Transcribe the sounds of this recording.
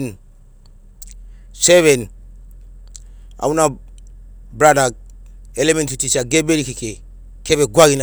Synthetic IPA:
n | sɛβen | a̰wuna | bɾadak̚elemẽntitit͡ʃaɡebeɾikikʰe | kʰeβeɡʷaɡina

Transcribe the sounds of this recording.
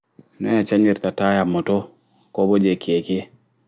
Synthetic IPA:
nɔjat͡ʃaɲiɾt̪atajamɔto | kɔbod͡ʒekʰjeke

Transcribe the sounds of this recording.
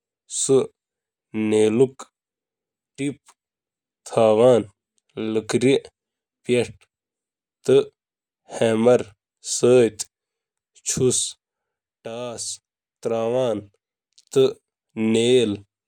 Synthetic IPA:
sɨ | neːluk | ʈip̚ | t̪ʰaːʋaːn | ləkɾi | pjeʈ | t̪ɨ | heːmɐɾ | səːt̪ | t͡ʃʰus | ʈaːs | t̪ɾaːʋaːn | t̪ɨ | neːl

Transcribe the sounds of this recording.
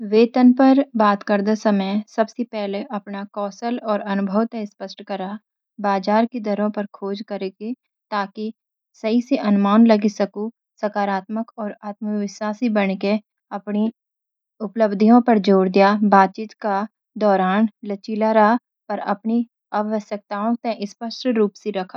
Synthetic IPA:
ʋeːt̪ənpɐɾbaːt̪kəɾd̪asɐməjsɐbsepɛɦleʔɐpnakɔːsəlɔːɾɐnʊbʱəwt̪espəsʈkɐɾa | baːd͡ʒaːɾked̪ɐɾõpɐɾkʰoːd͡ʒkɐɾeːɡi | t̪aːki | sɐɦiseʔɐnʊmaːnlɐɡisɐku | sɐkaːɾaːt̪məkɔːɾaːt̪məʋɪʃwaːsibɐñke | ɐpni | ʊpləbd̪ʱijõpɐɾd͡ʒoːɾd̪ijabaːt̪̚t͡ʃiːt̪ka | d̪ɔːɾaːnlət͡ʃiːlaɾaɦa | pɐɾɐ̰pni | ɐbʋəsjək̚t̪aːõt̪ɛ̃ʔɪspəʃʈɾuːpseɾɐkʰḁ

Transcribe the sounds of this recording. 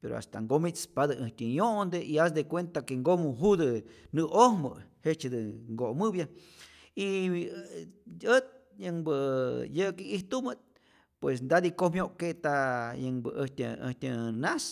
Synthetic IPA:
peɾo̰a̰st̪aŋɡomit͡spad̪ɨʔɨht̪ʲɨjond̪eʔias̬d̪ekwent̪akeŋɡomuɦud̪ɨnɨʔohmɨ̰het͡ʃed̪ɨŋɡomɨbja | i | ət̪̚jəŋbɨjɨkiiht̪umɨt̪̚ | pwesnd̪ad̪ikohmjoʔket̪ajɨŋbɨ̰ʔəht̪ʲɨə̰ht̪ʲɨnas

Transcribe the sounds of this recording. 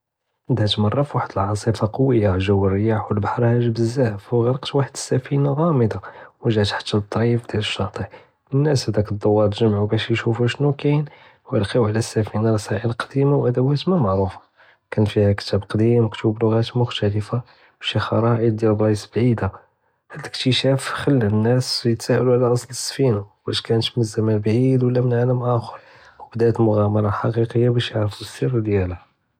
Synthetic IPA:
d̪hæt̪mɑrˤːɑfwaħəd̪əlʕɑsˤifɑqɑwːəjːaʒæwːərːəjaħwəlbɑħɾˤhæʒbəzːæhfwɣɑɾˤəqt̪waħəd̪ə̥sːæfinaɣɑməd̪ɑwəʒæt̪ħḁt̪ːælt̪ˤːʕifd̪jæləʃːɑt̪ˤəʕ | ənːæshæd̪ækəd̪ˤːɑwːɑd̪ʒəmʕubæʃjʃufæʃnukæn | wjəlqiwʕlæsːæfinalsæʕilqd̪̥imawʔæd̪æwæt̪mæmɑʕɾufḁ | kænfihækə̥t̪æbqd̪imkt̪ublʊɣæt̪mʊxt̪æləfa | b̥æʃixɑɾˤɑʔid̪jælrˤːɑsbʕid̪a | hæd̪əkt̪əʃæfxəlːənːæsjət̪sæʔæluʕlæʔɑsˤləsːfinabæʃkænət̪mənzːæmænbʕid̪wəlːæmənʕaləmʔæxɾˤ | wəbd̪æt̪mʊɣæmɑɾˤɑħɑqiqəjːabæʃjəʕɾfusird̪jælæ

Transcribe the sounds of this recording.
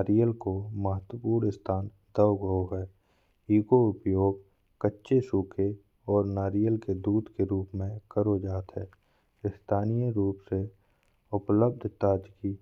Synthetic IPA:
aːɾijəlkoməɦət̪wəpuːɾɪst̪ʰaːn | d̪əʊɡəoɦɛː | iːkoʊpjoːɡ̚ | kətːʃesuːkʰe | ɔːɾnaːɾijəlked̪uːd̪keɾuːpmẽkəɾod͡ʒaːt̪ɦɛː | ɪst̪ʰaːnijəɾuːpse | ʊpləb̚d̪ʱt̪aːd͡ʒki

